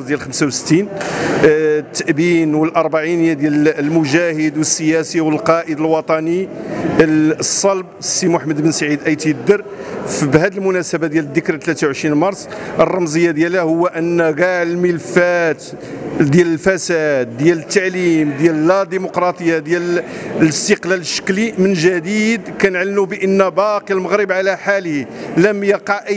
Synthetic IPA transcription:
d̪jælxəmsawsə̥t̪ːin | t̪ːaʔbinwəlʔɑɾˤbaʕinjæd̪jællmʊʒæhəd̪wəsːəjæsiwəlqɑʔəd̪əlwɑt̪ˤɑni | sˤːɑlb̚sːimʊħməd̪bənsaʕid̪ʔæjt̪id̪ːəɾfibhæd̪əlmʊnæsəbad̪jæləd̪ːəkɾt̪ːlæt̪awʕʃɾinmɑɾˤsˤʔərˤːɑmzˤəjːad̪jælhæhʊwːæʔənːæɣæʕəlməlfæt̪ | d̪jæləlfæsæd̪̚ːjælət̪ːaʕlimd̪jællæd̪imʊqɾˤɑt̪ˤəjːad̪jælləst̪əqlæləʃːə̥klimənʒæd̪id̪kænəʕlənubəʔənːæbɑqilməɣɾəbʕalæħalhiləmjɑqɑʕʔə

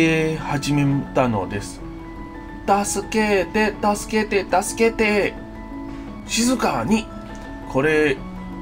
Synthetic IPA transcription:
ehaʑimemt̪ano̞̰d̪e̞sɨ̥ | t̪asɨke̞t̪e̞t̪asɨ̥ke̞t̪e̞t̪asɨ̥ke̞t̪e̞ | ɕizɨkaɲ̟i | kʰo̞ɾe̞

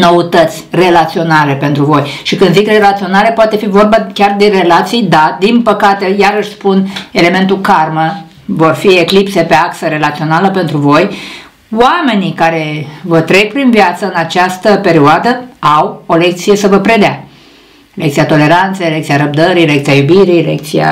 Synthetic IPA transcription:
no̞ut̪ət̪sʲre̞lat̪sio̞nale̞pe̞nt̪ɾuvo̞jʃikɨnd̪zikre̞lat̪sio̞nale̞poat̪e̞fivo̞rbakʲard̪e̞re̞lat̪sijd̪ad̪inpəkat̪e̞jaɾəʃʲspune̞le̞me̞nt̪ukarmə | vo̞rfie̞klipse̞pe̞aksəɾe̞lat̪sio̞naləpe̞nt̪ɾuvo̞j | wame̞nikaɾe̞vət̪ɾe̞k̚pɾinvjat̪səɨnat͡ʃast̪əpe̞ɾioad̪əawo̞le̞k̚t̪sije̞səvəpɾe̞d̪ea̰ | lekt̪siat̪o̞le̞ɾant̪sejlek̚t̪sijaɾəb̚d̪əɾile̞kt̪sijajubiɾijlḛk̚t̪sija̰

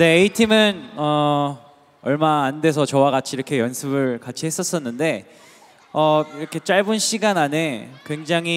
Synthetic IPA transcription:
deːitʰimɯnʌ | ʌɭmaːnde̞sʰʌt͡ɕʌwaɡat͡ɕʰiɾʌkʰe̞jʌnsʰɯbɯɭkat͡ɕʰihe̞s͈ʌs͈ʌnːɯnde̞ | ʌiɾʌkʰe̞t͡ɕ͈aɭbunɕʰiɡanane̞kwe̞ŋd͡ʑaŋɦi

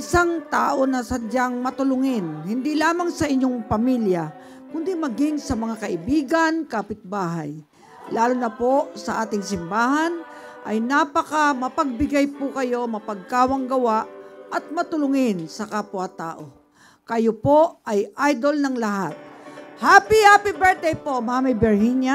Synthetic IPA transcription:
ʔɪsaŋt̪aːʔo̞nɐsɐd͡ʒaŋmɐt̪ʊlʊŋɪnhɪnd̪ilaːmaŋsɐʔɪɲːoŋpɐmilja | kʊnd̪imɐɡɪŋsɐmɐŋakɐʔɪbiːɡɐnkaːpɪt̪̚baːɦa̰j | laːlʊnɐpo̞sɐʔaːt̪ɪŋsɪmbaːɦan | ʔɐjnaːpɐkɐmɐpɐɡ̚bɪɡajpʊkɐjo̞mɐpɐɡ̚kaːwɐŋɡɐwaʔɐt̪̚mɐt̪ʊlʊŋɪnsɐkaːpʊat̪a̰ːʔo̞ | kɐjopo̞ʔɐjʔajd̪olnɐŋlɐɦat̪̚haːpihaːpibɛɹt̪̚d̪ɛjpo̞maːmibɛɹhiɲja

